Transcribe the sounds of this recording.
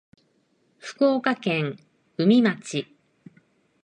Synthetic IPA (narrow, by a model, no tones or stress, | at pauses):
ɸɯ̟̥ko̞ːkakẽ̞ŋ | ɯ̟mʲimat͡ɕi